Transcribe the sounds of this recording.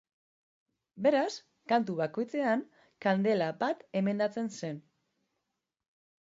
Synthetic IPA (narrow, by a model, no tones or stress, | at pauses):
be̞ɾas | kant̪uβako̞jt͡se̞an | kand̪e̞labat̪e̞me̞nd̪at͡se̞nse̞n